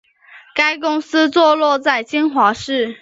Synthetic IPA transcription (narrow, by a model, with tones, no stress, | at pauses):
ka˥ɪkʊ˥ŋsɹ̩˥t͡swɔ˥˧lwɔ˥˧t͡sa˥˩ɪt͡ɕi˥ŋxwa˧˥ʂɻ̩˥˩